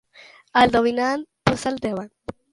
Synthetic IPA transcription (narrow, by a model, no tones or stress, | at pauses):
ald̪ominan̚posald̪eβan